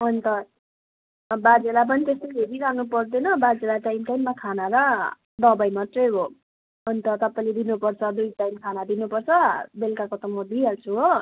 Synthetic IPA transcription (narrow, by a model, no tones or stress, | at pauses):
ɦʌnt̪ʌ | bad͡zelap̬ʌnit̪est̪ʌjbʱeɾiɾanupʌrd̪enʌbad͡zelaʈajmʈajmːakʰanaɾʌ | d̪ʌbʌjmʌt̪rʌjɦo | ʌnt̪ʌt̪ʌpaĩled̪inupʌrt͡sʰʌd̪ujʈajmkʰanad̪inupʌrt͡sʰʌbelkakot̪ʌmʌb̪iɦalt͡sʰuɦo